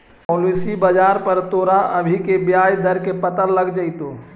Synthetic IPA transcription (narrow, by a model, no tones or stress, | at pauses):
pɔlisibəd͡ʒaɾpəɾt̪oːɾaəbʱikebjajd̪əɾkepət̪əɾləɡd͡ʒaɪt̪o